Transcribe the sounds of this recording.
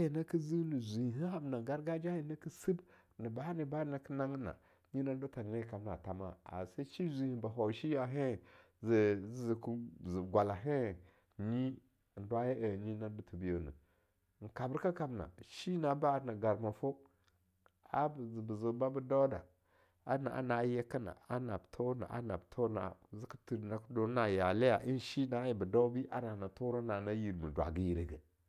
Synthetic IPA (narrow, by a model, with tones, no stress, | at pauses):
ji˨na˦ki˦zi˦nu˨zʷi˨hi˨ɦi˦ɦa˨bna˨ɡa˦ɾɡa˦d͡ʒa˦ji˨na˦ki˦si˦b | nə˨ba˦ni˨ba˦na˨kə˦na˦ŋ˦na̰˨ | ɲi˦na˦du˦ta˨ne˦˨ka˨bna̰˨ta˨ma̰˦˨a̰˨sa˦ʃi˦zʷi˨hi˨ba˨ɦo˨ʃi˦ja˨ɦe˦˨ | zzzi˨ku˦zi˨ɡʷa˨la˨ɦe˦˨ | ɲi˦˨ | n˨dwa˦je˦ʔə˨ɲi˦na˦du˦tu˨bi˦jo˨nə̰˨ | ŋ̩˨ka˨bə˦ɾka˦ka˨bna̰˨ʃi˦na˨ba˦˨na˨ɡa˨ɾma˨fo˦ | a˦bzə˨bə˨zo˨ba˦bə˦da˦wda˨ | a˦na̰˨ʔa̰˨˦na˨˦je˦kə˦na̰˨a˦na˨btʰo˦na̰˨ʔa̰˦na˨btʰo˦na̰˨zi˦ku˦tu˨na˨ku˦do˨˦na˨ja˨le˦ja˨ʔi˦n˨ʃi˦na˨˦ji˨bə˨da˦bi˦ʔa̰˦na˨na˨to˦ɾo˦na˨na˦ji˨ɾmə˨dwa̰˨ɡi˦ji˨ɾe˦ɡə˨